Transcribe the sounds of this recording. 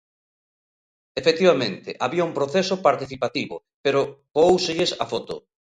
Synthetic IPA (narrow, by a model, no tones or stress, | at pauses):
efekt̪iβamẽnt̪ɪʔaβiauŋmpɾoθesʊpaɾt̪iθipat̪iβʊ̰ | peɾokoowseʎɪsa̰fɔt̪ʊ̰